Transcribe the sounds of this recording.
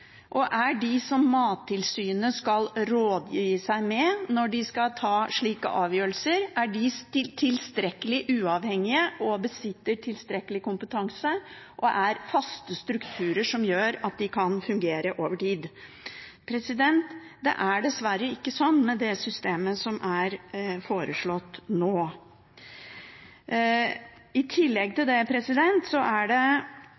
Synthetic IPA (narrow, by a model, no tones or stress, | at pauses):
ʔɔʔæɖɪsɔmːɑːt̪ʰːɪlsyːnəskɑlɾoːd̪jiːəsæɪmɛnɔɖɪskɑlt̪ʰɑːʂɭiːkə̰ʔɑːʋjøːɾəlsəɾʔæɖɪɪt̪ʰɪlst̪ɾɛkːəlɪʔʉːɑʋhɛŋːɪəʔɔbəsɪt̪ːəʈʰɪlst̪ɾɛkːəlɪkʊmpət̪ʰɑŋsə | ʔɔʔæɾfɑst̪əst̪ɾʉkt̪ʰʉːɾəʂɔmjøːɾɑt̪̚d̪ɪkʰɑnfʉŋɡeːɾəʔoːʋəʈiːd̪ | pʰɾɛsɪd̪ɛnt̪ | d̪ɛ̰ʔæɖɛsʋæɾːəɪkːəsɔnːmɛd̪ɛsʏst̪eːməsɔmʔæɾfoːɾəʂɭɔt̪ːnoː | ɪt̪ʰɪlːɛɡ̚t̪ʰɪld̪ɛpʰɾɛsɪd̪ɛnt̪sɔʔæɖɛ